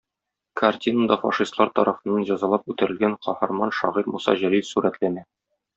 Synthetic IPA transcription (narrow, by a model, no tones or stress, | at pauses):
kɐrtʲinəd̪ɑfɑ̰ʃist̪lˠɑɾt̪ɒ̰ɾɑfɤ̆nːɑnʑɒzɑlˠɑp̚ʉt̪ɘ̆ɾɘ̆lɡæɴqɒhɑɾmɑnʃɒ̰ʁiɾmusɑ̰ʑɘ̆ɾisʉɾæt̪lænæ